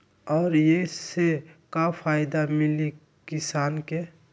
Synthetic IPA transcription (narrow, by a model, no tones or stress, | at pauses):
ɔːɾjesekapʰaːjd̪amɪli | kɪsaːnke